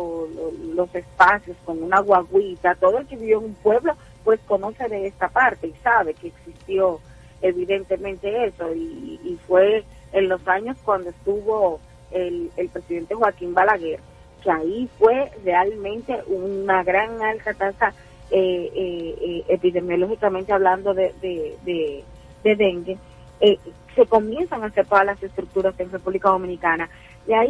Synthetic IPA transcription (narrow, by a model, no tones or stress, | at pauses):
ololo̞se̞spasjo̞sko̞ŋunaɣwaɣwit̪at̪oðoelke̞βiβjoeŋumpwe̞βlo̞ | pwe̞skonoseðe̞est̪apaɾt̪e̞isaβe̞keːksist̪jo | eβiðe̞nt̪e̞mẽnt̪e̞eso̞iːfwe̞ː | nlo̞saɲo̞skwand̪oest̪uβo̞ | elelpɾe̞siðe̞nt̪exwakimbalaɣeɾ | keaifwe̞re̞almẽ̞nt̪e̞ʔunaɣɾaŋalt̪at̪asa | eeepiðe̞mjo̞lo̞xikamẽnt̪e̞aβland̪o̞ðeðeðe | d̪e̞ðeŋɡe | e | se̞ko̞mje̞nsaŋase̞ɾt̪o̞ðalase̞st̪ɾuk̚t̪uɾasenrepuβlikaðo̞mĩnikana | iai